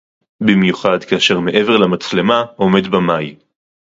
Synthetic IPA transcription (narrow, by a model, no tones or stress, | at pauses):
bimjuχadkaaʃe̞ʁme̞ʔe̞veʁlamat͡sle̞mao̞me̞dbamaj